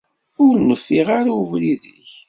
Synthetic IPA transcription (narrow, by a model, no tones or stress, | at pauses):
ʊɾnəfːiʁaɾavliðəç